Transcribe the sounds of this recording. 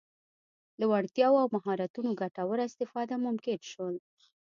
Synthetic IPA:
d̪əwaɽt̪jɑwoawmaɦɑɾat̪unoɡaʈawəɾaɪst̪ɪfɑd̪amʊmkɪnʃwəl

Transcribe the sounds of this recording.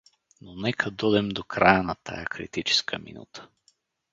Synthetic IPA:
nonɛkʰɐd̪ɔd̪ɛmd̪okɾajənɐt̪ʰa̰jəkɾḭt̪it͡ʃɛ̥skʰəmḭnṵt̪ə̥

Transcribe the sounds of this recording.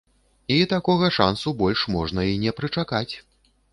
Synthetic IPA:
it̪akɔɣɐʂa̰nsubɔlʲʂmɔʐnɐinʲɛpɾɨt͡ʂakat͡sʲ

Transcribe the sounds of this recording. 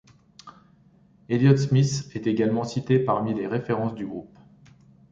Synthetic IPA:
eljɔt̪smisɛt̪eɡalmɑ̃sit̪epaʁmileʁefeʁɑ̃sd̪yɡʁup

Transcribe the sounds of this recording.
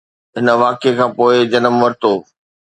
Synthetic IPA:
ɦɪnə̆ʋaːkekʰãːpoːɪd͡ʑɐnəmʋɐɾɪt̪oː

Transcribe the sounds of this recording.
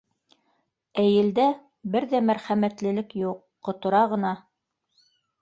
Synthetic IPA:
æjɘ̆ld̪æ | bɘɾðæmæɾχæmæt̪lɘ̆lɘkjuqːŏt̪ŏɾɑʁɤ̆nɑ

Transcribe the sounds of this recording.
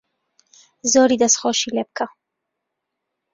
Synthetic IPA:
zoːɾiːd̪ɐsxoʃiːleːb̚kʰɐ

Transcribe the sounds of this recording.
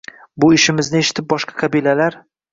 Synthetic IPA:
bʊɪʃɪmɪznɪeʃɪ̥t̪ʰɪp̚bɒʃqʰɑ̥qʰɑbilalaɾ

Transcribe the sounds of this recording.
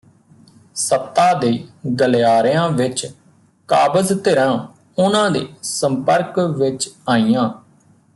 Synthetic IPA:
səp̚t̪aːd̪eːɡəlejaːɾjãːʋɪt͡ʃ | kaːbəzt̪eɾãː | ʊnãːd̪ḛːsəmpəɾkʋɪt͡ʃaːijãː

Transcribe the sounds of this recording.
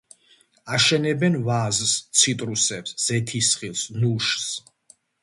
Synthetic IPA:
aʃɛnɛbɛnvazst̪sʰit̪ʼɾusɛpsz̥ɛt̪ʰisχilˠsnuʃs

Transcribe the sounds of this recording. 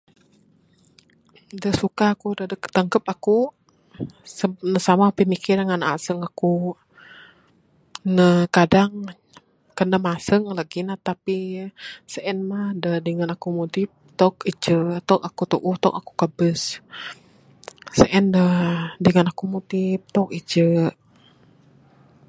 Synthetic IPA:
dəsukaakudədəkt̪aŋkəp̚aku | sənəsamapəmikiɾaŋana̰səŋaku | nəkadaŋ | kənːəmasəŋlaɡinat̪api | səʔɛnmahdədəŋanakumot̪ɪp̚t̪ɔk̚it͡ʃət̪ɔkakut̪uʔut̪ɔkaku̥kəbəs | səʔɛndədəŋənakumot̪ɪp̚t̪ɔkit͡ʃəʔ

